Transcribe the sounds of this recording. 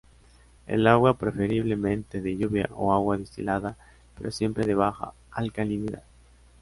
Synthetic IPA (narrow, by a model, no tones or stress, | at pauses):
ḛlaɣwapɾefeɾiβlemẽnt̪eðeʎuβja̰ʔo̰aɣwaðist̪ḭlaða | peɾosje̞mpɾeðeβaxa̰ | alkaliniða̰ð